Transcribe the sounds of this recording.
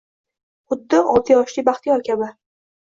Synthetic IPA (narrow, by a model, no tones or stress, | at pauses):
χʊd̪ːɪʔɒt̪ʰijɒʃlibaχt̪ʰɪjɒkʲʰabɪ